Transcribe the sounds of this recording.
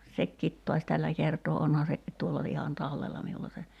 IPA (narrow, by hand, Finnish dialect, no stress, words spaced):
sekːiːt to̝ɑsʲ tælːæ kertoː onhɑ se tuolːɑ ihɑn tɑlːelːɑ miulːɑ se